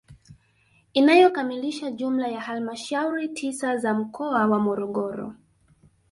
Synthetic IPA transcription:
inajɔkamiliʃaʄum̩lajahalmaʃauɾitʰisazam̩kʰɔawamɔɾɔɠɔɾɔ̰

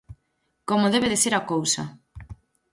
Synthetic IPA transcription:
komoðeβeðeseɾakowsa̰

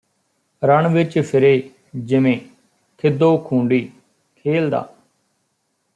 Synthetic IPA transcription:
ɾəɳʋɪt͡ʃpʰɪɾeː | d͡ʒɪmẽː | t̪ʰɪd̪oːkʰũːɳɖiː | kʰeːld̪a̰ː

